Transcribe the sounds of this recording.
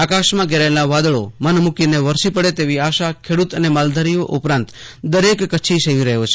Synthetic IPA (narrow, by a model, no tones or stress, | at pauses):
akaʃmãɡʱeɾaelnaʋad̪əɭo̰mənmukineʋəɾsipəɽet̪eʋiaʃakʰeɽut̪ənemald̪ʱaɾijoʔupɾãnt̪ | d̪əɾekːət͡ʃʰiʃəjiɾəɦjot͡ʃʰe̥